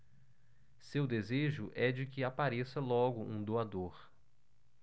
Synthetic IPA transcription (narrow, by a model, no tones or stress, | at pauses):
sewd̪ezeʒʊʔɛd͡ʒɪkɪapaɾesɐlɔɡʊʔũd̪oad̪oɾ